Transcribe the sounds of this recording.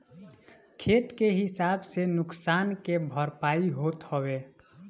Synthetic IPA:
kʰet̪keɦɪsabsenʊksankebʱəɾpaiɦot̪həbe

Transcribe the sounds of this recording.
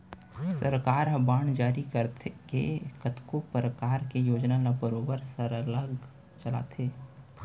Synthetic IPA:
səɾkaːɾɦɐbaːɳ̃d͡ʒaːɾikəɾt̪ʰkḛkət̪kopɾəkaːɾkejoːd͡ʒnalabəɾoːbəɾsəɾələɡ | t͡ʃəla̰ːt̪ʰeː

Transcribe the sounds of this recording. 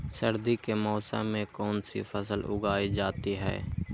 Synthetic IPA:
səɾd̪ikemɔːsə̰mẽkɔːnsḭfʰɐsəlʊ̰ɡaːid͡ʒaːt̪iɦɛ̰ː

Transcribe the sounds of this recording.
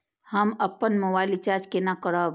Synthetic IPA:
həməpːənmobailit͡ʃaɾd͡ʒkenakəɽə

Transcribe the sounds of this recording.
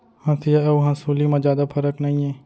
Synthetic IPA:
hãːsijaɐuɦãsuːlimãzjaːd̪apʰɐɾəknɐɦĩɛ̃ː

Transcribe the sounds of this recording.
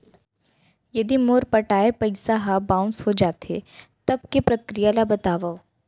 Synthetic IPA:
jɐd̪imoːɾpɐʈaːepɐɪsaɦabãːʊ̃nsɦod͡ʒaːt̪ḛt̪ɐb̚kepɾɐkɾijalabɐt̪aːʋao

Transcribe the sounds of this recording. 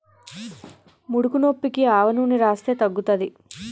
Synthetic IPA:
muɽukunopːikiaːʋɐnuːniɾaːst̪eːt̪ɐɡːut̪ɐd̪i

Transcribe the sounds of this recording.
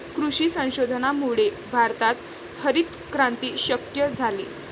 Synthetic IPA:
kɾuɕiːsə̃w̃ɕod̪ʱənamuɭe | bʱaɾt̪at̪ | həɾiːt̪ | kɾãnt̪iːɕəkjəd͡zʱalḭː

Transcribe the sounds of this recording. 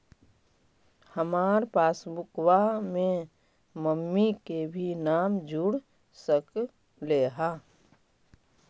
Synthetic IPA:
həmaːɾpaːsbʊkwamẽ | məmːikebʱinaːmd͡ʒʊɽ | sək | leːɦaː

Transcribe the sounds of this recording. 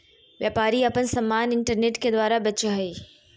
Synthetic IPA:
ʋjaːpaːɾiɐpənsɐmːaːnɪɳʈəɾneːʈked̪waːɾabɐt͡ʃəɦɐi

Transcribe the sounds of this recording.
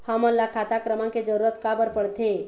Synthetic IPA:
həməɾlakʰat̪akɾəmãked͡ʒəɾuɾət̪kabəɾpəɽt̪ʰe

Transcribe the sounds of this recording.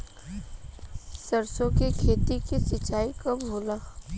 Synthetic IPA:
sɐɾsõkekʰeːt̪ikesɪt͡ʃaːikabbʱoːləx

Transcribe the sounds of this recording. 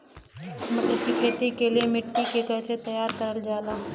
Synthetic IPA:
mət̪əkikʰeːt̪ikelijemɪʈkikekɛːset̪əjaːɾkəɾəld͡ʒaːlaː

